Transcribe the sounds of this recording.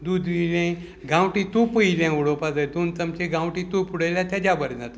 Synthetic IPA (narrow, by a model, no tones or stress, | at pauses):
d̪ud̪ʱʋilẽ | ɡãwʈĩt̪upujlãuɽopad͡zəjd̪unt͡səmt͡ɕẽɡãwʈit̪upuɽəjljat̪jad͡ʑabəɾd͡zat̪